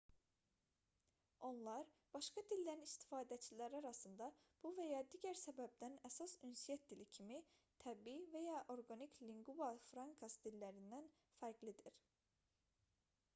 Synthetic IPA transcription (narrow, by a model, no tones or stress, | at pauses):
o̞nlˠɑɾb̥ɑʃkɑd̪ilʲːæɾnist̪i̥fɑːd̪æt͡ʃʰilæɾɑɾɑsɯnd̪ɑb̥uvæjɑd̪iːɟæɾsæbæb̚d̪ænæsɑsynsijɛt̪̚d̪ilicʰimit̪ʰæbivejɑʔo̞ɾɡanicʰliŋɡuɑfɾɑŋkʰɑsd̪ilːæɾind̪æn | fæɾɡlid̪iɾ̥